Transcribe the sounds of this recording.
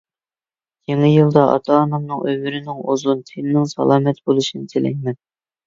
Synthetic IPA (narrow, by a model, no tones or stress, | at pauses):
kʲʰeŋɨjilˠd̪ɑʔɑ̰t̪ʰɑːnɑmnɨŋʔøwɪɾɪnɪŋozunt̪ʰennɪŋsɑ̰lˠɑːmɛt̪bolˠuʃinɨt̪ʰelɛ̰ŋʲmɛn